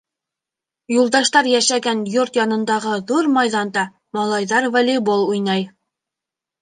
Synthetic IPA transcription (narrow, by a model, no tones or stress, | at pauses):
julˠd̪ɑʃt̪ɑɾjæʃæɡænjoɾt̪jɑnɤ̆nd̪ɑʁɤðuɾmɑjðɑnd̪ɑ | mɑlˠɑjðɑɾvalʲibolˠujnɑj